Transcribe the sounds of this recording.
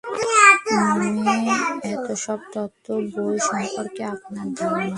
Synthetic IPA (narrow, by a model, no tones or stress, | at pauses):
amiɛt̪oʃɔb̚t̪ɔt̪ːoboeʃɔ̃mpoɾkeapnaɾd̪aɾona